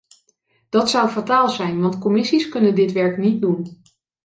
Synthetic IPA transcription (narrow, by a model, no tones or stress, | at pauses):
d̥ɑtsʌwfataːlˠzɛjnʋɑntkɔmɪsiskɵnəndɪtʋɛɹknit̚dun